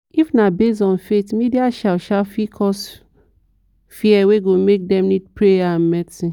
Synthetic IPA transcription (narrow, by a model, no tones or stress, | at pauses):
ifnabes̬ɔ̃nfetmidiaʃalʃafikʰɔs | fiɛweɡomek̚dɛ̃mnid̚pɹejaãnmɛsi